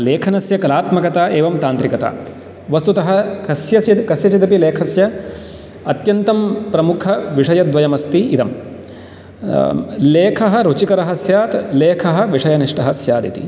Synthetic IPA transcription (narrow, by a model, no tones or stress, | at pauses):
leːkʰɐnɐsjɐkɐlaːt̪mɐkɐt̪aːʔeːʋɐmt̪aːnt̪ɾikɐt̪a̰ː | ʋɐst̪ut̪ɐɦɐ̆kɐsjɐsjɐkɐsjɐt͡ʃit̪ɐpileːkʰɐsjɐ | ɐt̪jɐnt̪ɐmpɾɐmukʰɐʋiʂɐjɐd̪ʋɐjɐmɐst̪iid̪ɐm | leːkʰɐɦɐ̆ɾut͡ʃikɐɾɐɦɐsjaːt̪leːkʰɐɦɐ̆ʋiʂɐjɐniʂʈɐɦɐsjaːd̪ḭt̪ḭ